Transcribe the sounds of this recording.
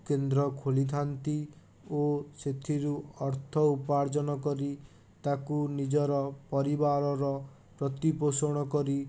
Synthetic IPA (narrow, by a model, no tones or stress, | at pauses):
kend̪ɾɔkʰolid̪ʱant̪i | oset̪ʰiɾuɔɾt̪ʰɔupaɾd͡ʒɔnɔkɔɾi | t̪akunid͡ʒɔɾɔpɔɾibaɾɔɾɔ | pɾɔt̪iposɔɽ̃ɔkɔɾi